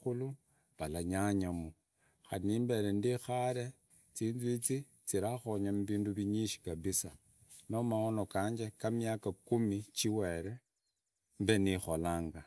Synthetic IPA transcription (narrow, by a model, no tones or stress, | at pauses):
ulu | βalaɲaɲamu | xanimbe̞ɾendixaɾe̞ | t͡siːnzit͡si | t͡siɾaxoɲamuβiːnduβiɲiʃi̥kaβisa | nomaono̞kaːɲd͡ʒekamjakakumit͡ʃiweɾe̞ | mbe̞nixo̞laːŋɡa